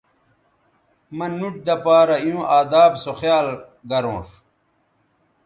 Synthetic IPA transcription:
mɐnːuʈ̚d̪ɐpaːɾɐiũːʔaːd̪aːbsoxjaːl | ɡɐɾõːʂ

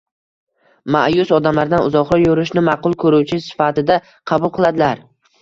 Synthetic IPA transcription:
maʔjʊsɒd̪amlaɾd̪anʊzɒχɾɒjoɾɪʃnɪmɑqʊlˠkʰɵɾuwt͡ʃʰɪsɪ̥fat̪ɪd̪a | qʰɑbʊlˠqʰɨlˠad̪ɪlaɾ

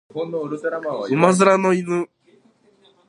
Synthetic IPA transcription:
oɾɾaaɯmazɨɾanɔinɨ

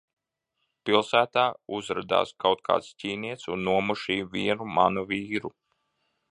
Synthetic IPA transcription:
pilˠsæːt̪aːuzɾad̪a̰ːskawt̪̚kʰa̰ːt̪sciːniɛt̪sunːuɔmuʃiːviɛnumanuviːɾu

